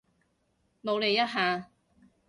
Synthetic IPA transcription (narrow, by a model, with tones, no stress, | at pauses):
mo˨˧wle˨˧jːɐ˥t̚ɦaː˧